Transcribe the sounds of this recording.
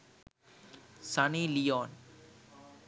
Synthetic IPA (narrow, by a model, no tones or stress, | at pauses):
saniːlijɔ̃ːn